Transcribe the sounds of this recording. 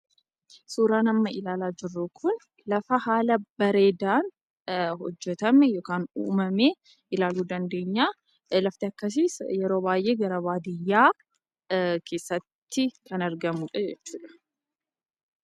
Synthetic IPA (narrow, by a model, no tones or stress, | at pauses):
suːɾaːnɐmːɐɪlaːlaːd͡ʒɪrːʊkʰʊn | lɐfɐhaːlɐbɐɾe̞ːd̪aːn | hɔd͡ʒːɛt̪ɐmɛjoːkaːnṵːmɐmeː | ʔɪlaːluːd̪ɐnd̪e̞ːɲːaː | lɐft̪ɪɐkːɐs̬ɪsjɛɾo̞ːbaːjʔe̞ːɡɐɾɐbaːd̪ɪjːaː | kʰe̞ːsːɐt̪ːɪkɐnɐɾɡɐmuᶑɐd͡ʒɛt͡ʃːuːᶑɐ̥